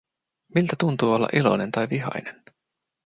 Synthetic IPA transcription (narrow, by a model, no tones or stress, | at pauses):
milt̪æt̪unt̪uːolːɑ̰ʔilo̞̰ne̞nt̪ɑjʋiɦɑ̰jnen